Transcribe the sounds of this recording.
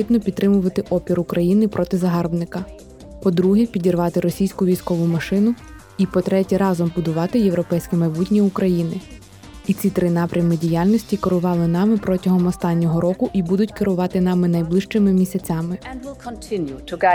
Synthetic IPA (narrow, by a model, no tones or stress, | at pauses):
ib̪nɔpʲd̪t̪ːɾɪmʊʋɐt̪ɪʔɔpʲiɾʊkɾɐjinɪpɾʔɔt̪ɪzɐɦɑrbnɪkɐ | pɔd̪ɾuɦɛpʲidʲirʋɑt̪ɪɾɔsʲijsʲkʊʋʲijsʲkɔʋʊmɐʃɪnʊ | ipɔt̪ɾɛtʲɛɾɑzɔmbʊd̪ʊʋɑt̪ɪjeʋwɾɔpɛjsʲkɛmɐjbutʲnʲiukɾɐjinɪ | it͡sʲit̪ɾɪn̪ɑpɾʲɐmɪdʲijalʲnɔsʲtʲikɔɾʊʋɑlˠɪnɑmɪpɾɔtʲɐɦɔmɔst̪ɑnʲːɔɦɔɾɔkʊʔibud̪ʊtʲkɪɾʊʋɑt̪ɪn̪ɑmɪnɐjblˠɪʃt͡ʃɪmɪmʲisʲɐt͡sʲɑmɪ̃nwɪlˠkʰntʰɪ̃njutʰʊɡa